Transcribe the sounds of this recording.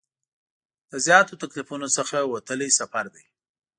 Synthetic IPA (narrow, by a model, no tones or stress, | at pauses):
d̪̥əzjɑt̪ot̪aklifunosəxawat̪əlisafaɾd̪aj